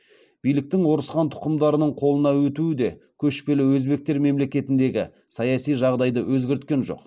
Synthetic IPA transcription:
b̥ijlɪk̚t̪ɪŋwo̞ɾəsqɑnt̪ʰʊ̥qəmd̪ɑɾənəɴqʰo̞lˠənɑwɵt̪uwɪd̪e̞kʲʰɵʃpe̞lɪwɵzbe̞k̚t̪e̞ɾme̞mle̞kʲe̞t̪ɪnd̪e̞ɡʲɪ̰ | sɑjɑsijʒɑʁd̪ɑjd̪əwɵzɡʲɪɾɪt̪̚kʲe̞nʒo̞̰q

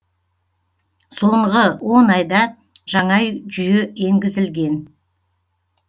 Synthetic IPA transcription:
so̞ɴʁəwo̞nɑjd̪ɑ | ʒ̥ɑɴɑjʒʏjee̞ŋɡʲɪzɪlɡʲe̞n

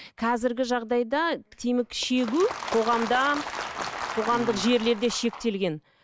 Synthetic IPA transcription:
qʰɑzɪɾɡʲɪʒɑʁd̪ɑjd̪ɑt̪ʰemɪkʃe̞ɡʲuqʰo̞ʁɑmd̪ɑ | qʰo̞ʁɑmd̪əqʒe̞ɾle̞ɾd̪e̞ʃe̞k̚t̪e̞lɡʲe̞n

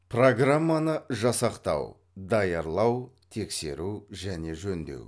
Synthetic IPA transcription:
pro̞ɡramːanəʒɑsɑqt̪ɑ̰w | d̪ɑjɑɾlˠɑwt̪ʰe̞kse̞̰ɾuʒæne̞ʒɵnd̪e̞̰w

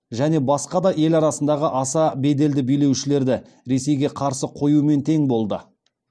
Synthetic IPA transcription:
ʒæne̞bɑsqɑd̪ɑʔe̞lɑɾɑsənd̪ɑʁəʔɑsɑbe̞d̪e̞ld̪ɪbijle̞wʃɪle̞ɾd̪ɪ | ɾe̞se̞jɡʲe̞qʰɑɾsəqʰo̞jume̞nt̪ʰe̞ŋbo̞lˠd̪ə

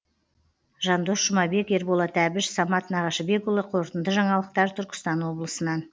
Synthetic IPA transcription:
ʒɑnd̪o̞sʒ̥ʊmɑbe̞ke̞ɾbolˠɑt̪ʰæbɪʃsɑmɑt̪nɑʁɑʃəbe̞kʊlˠəqʰo̞ɾt̪ənd̪əʒɑɴɑlˠəq̚t̪ɑɾt̪ʰʏɾkʲɪ̥st̪ɑnwo̞blˠəsənɑn

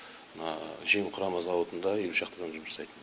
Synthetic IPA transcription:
mənɑʒemqʰʊɾɑmɑzɑwot̪ənd̪ɑjelʲɪpʃɑqt̪əʁəmʒʊmʒɑsɑjt̪ən

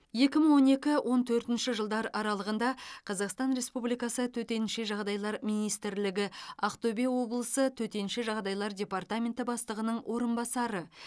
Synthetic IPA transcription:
je̞kʲɪməɴwo̞ne̞kʲɪwʔo̞nt̪ʰɵɾt̪ɪnʃɪʒəlˠd̪ɑɾɑɾɑlˠəʁənd̪ɑqʰɑzɑqst̪ɑnɾe̞spublijkɑsət̪ʰɵt̪e̞nʃeʒɑʁd̪ɑjlˠɑɾmijnijst̪ɪɾlɪɡʲɪɑqt̪obewo̞blˠəsət̪ʰɵt̪e̞nʃɪʒɑʁd̪ɑjlˠɑɾd̪ʲe̞part̪amʲe̞nt̪ɪbɑst̪əʁənəɴwʔo̞ɾənbɑsɑɾə

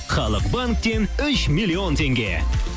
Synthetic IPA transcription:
χɑlˠəqbaŋk̚t̪e̞nʏʃmilːiont̪ʰe̞ŋɡʲḛ

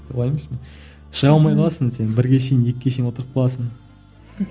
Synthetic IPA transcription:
olˠɑjmesmen | ʃəʁɑlˠmɑjqɑlˠɑsənse̞nbɪɾɡʲe̞ʃ̬e̞jɪnje̞kʲɪkʲʰeʃejnwo̞t̪əɾəq̚qɑlˠɑsən

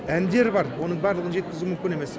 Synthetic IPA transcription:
ænd̪e̞ɾbɑɾwo̞nəɴbɑɾlˠəʁənʒe̞t̪̚kʲɪzumʏmkʲɪne̞mes

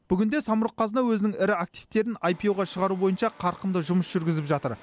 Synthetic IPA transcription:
b̥ʏɡʲɪnd̪e̞sɑmʊɾəq̚qʰːɑzənɑwɵzɪnɪŋɪɾɪak̚t̪ijft̪e̞ɾɪnajpʲijoʁɑʃəʁɑɾubo̞jənʃɑqʰɑɾqənd̪əʒʊməsʒ̥ʏɾɡʲɪzɪpʒɑt̪əɾ

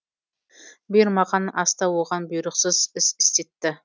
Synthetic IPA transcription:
bʊjɪɾmɑʁɑnɑst̪ɑwoʁɑnbʊjɾəqsəzɪsɪ̥st̪e̞t̪ːɪ

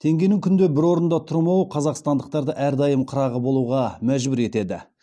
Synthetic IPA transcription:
t̪ʰe̞ŋɡʲe̞jnɪŋkʲʰʏnd̪ebɪɾwo̞ɾənd̪ɑt̪ʰʊɾmɑwəqʰɑzɑqst̪ɑnd̪əq̚t̪ɑɾd̪əʔæɾd̪ɑjəmqʰʊɾɑʁəbo̞lˠuʁɑmæʒbʏɾe̞t̪e̞d̪ɪ̰

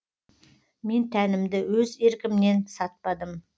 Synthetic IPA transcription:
me̞nt̪ʰænɪmd̪ɪwɵze̞ɾkʲɪmne̞nsɑt̪̚pɑd̪əm

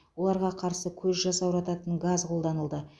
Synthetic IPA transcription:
wo̞lˠɑɾʁɑqʰɑɾsəkʲʰɵzʒɑsɑwʒɑt̪ɑt̪ənɡazqʰo̞lˠd̪ɑnəlˠd̪ə

